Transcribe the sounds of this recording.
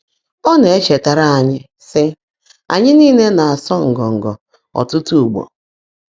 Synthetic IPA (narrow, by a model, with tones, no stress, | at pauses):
ɔ˦ne˨e˦t͡ʃe˨ta˨ɾa˦a˨ɲɪ˦ | sɪ˦ | a̰˨ɲɪ˦niː˦˨ne˦na˨a˨sɔ˦ŋ̩˨ɡɔ˨ŋ̩˨ɡɔ̰˨ | ɔ̰˨tʊ˦tu˦u˨ɡ͡bɔ̰˨